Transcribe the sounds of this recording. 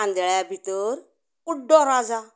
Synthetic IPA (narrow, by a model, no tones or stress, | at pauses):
and̪ɛɭabit̪əɾ | uɖɔɾad͡za